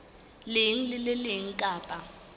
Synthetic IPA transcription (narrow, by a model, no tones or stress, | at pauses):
lɪŋlɪlɪlɪŋ̩kʼaːpʼa